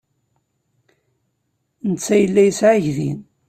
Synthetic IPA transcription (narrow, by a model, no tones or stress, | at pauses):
nət͡sːæjəlːæjəsʕaʝðḭn